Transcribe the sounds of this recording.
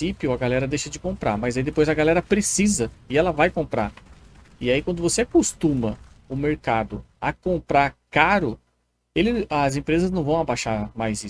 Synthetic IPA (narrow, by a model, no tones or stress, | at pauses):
ipjʊɐɡalɛɾɐd̪ejʃɐd͡ʒɪkõmpɾa̰ɾmɐjzaid̪epojzɐɡalɛɾɐpɾesizɐɪɛlɐvajkõpɾa̰ | ɪaikwɐ̃nd̪ʊvoseakost̪ũmɐʊmeɾkad̪ʊɐkõpɾaɾkaɾʊ | elɪɐzẽpɾezɐznɐ̃w̃vɐ̃w̃abaʃaɾmajzi